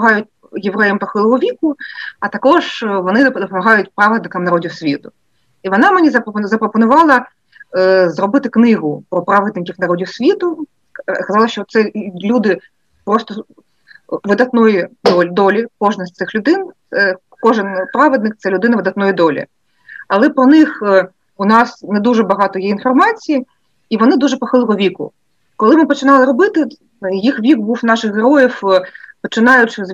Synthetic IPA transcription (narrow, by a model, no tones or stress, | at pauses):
ɔmɐɦɑjʊt̚ʲ | jeʋɾɛjɛmpɔxɪlˠɔɦɔʋʲikʊɐt̪ɐkɔʐʋɔnɪd̪ɔd̪ɔpɔmɐɦɑjʊtʲpɾɑʋɪd̪nɪkɐmnɐɾɔdʲiwsʲʋʲit̪ʊ | iʋɔnɑmenʲizɐpɾɔzɐpɾɔpɔnʊʋɑlˠɐ | zrɔbɪt̪ɪknɪɦʊpɾɔpɾɑʋɪd̪nɪkʲiwnɐɾɔdʲiwsʲʋʲit̪ʊ | skɐzɑlˠɐʃt͡ʃɔt̪sɛlʲud̪ɪ | pɾɔst̪ɔ | ʋɪd̪ɐt̪nɔjid̪ɔlʲd̪ɔlʲikɔʒnɐsʲt̪sɪxlʲʊd̪ɪn | ɛ | kɔʒɪnpɾɑʋed̪nɪk̚t̪sɛlʲʊd̪ɪnɐʋɪd̪ɐt̪nɔjid̪ɔlʲḭ | ɐlˠɛpɾɔnɪx | ʊnɑsnɛd̪uʒɛbɐɦɑt̪ɔjɛinfɔrmɑt͡sʲiji | iʋɔnɪd̪uʐɛpɔxɪlˠɦɔʋʲikʊ̰ | kɔlˠɪmɪpɔt͡ʃɪnɑlˠɪɾɔbɪt̪ɪ | jixʋʲikbuwnɑʃɪxɦeɾɔjiwpɔt͡ʃɪnɑjʊt͡ʃɪz